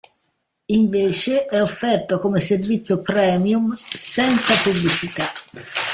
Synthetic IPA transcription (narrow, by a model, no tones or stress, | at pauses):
iɱveːt͡ʃeʔɛofːɛrt̪okomeservit̪sːjopɾɛːmjumsɛnt̪sapublit͡ʃit̪a